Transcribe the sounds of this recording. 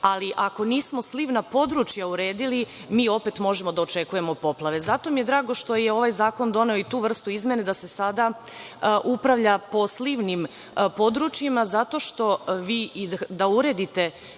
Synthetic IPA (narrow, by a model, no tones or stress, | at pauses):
aliʔako̞niːsmo̞sliʋnapo̞d̪ɾut͡ʃjauɾe̞ːd̪ili | miːo̞pe̞t̪mo̞ʒemo̞d̪ao̞t͡ʃe̞kuje̞mo̞po̞plˠaʋe̞zat̪o̞mije̞d̪ɾaːɡo̞ʃt̪o̞jeo̞ʋajzaːko̞nd̪o̞ne̞oit̪uːʋr̩st̪uizmje̞ned̪ase̞sad̪a | ʔupɾaʋʎapo̞sliʋnim | po̞d̪ɾut͡ʃjimazat̪o̞ʃt̪o̞ʋiːd̪auɾe̞d̪it̪e̞